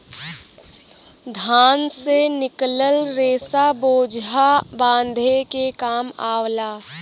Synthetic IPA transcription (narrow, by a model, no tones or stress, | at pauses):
d̪ʱaːnsenɪkləlɾeːsaboːd͡ʒɦabãːnd̪ʱekekaːmaːwlaː